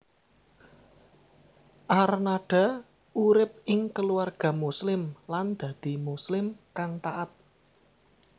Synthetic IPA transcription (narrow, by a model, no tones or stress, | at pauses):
ʔarnaɖ̥a̤ | uɾɪp̚ɪŋkəluarɡ̥ɔ̤muslɪmland̪̥a̤d̪̥i̤muslɪmkaŋt̪aʔat̪̚